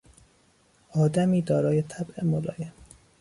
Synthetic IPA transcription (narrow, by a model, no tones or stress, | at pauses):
ʔɒːd̪æmiːd̪ɒːɾɒːje̞t̪ʰæbʔemolɒ̰ːjem